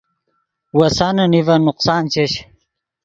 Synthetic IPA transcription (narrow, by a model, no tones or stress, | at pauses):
wɐsanɐnivɐnʊqsaːnt͡ɕeɕ